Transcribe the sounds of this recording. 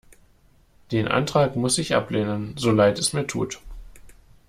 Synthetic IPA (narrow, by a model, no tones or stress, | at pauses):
d̥eːnʔa̰ntʁ̥aːkmʊsɪçʔa̰pleːnənzolaɪtɛsmiːɐtʰṵːt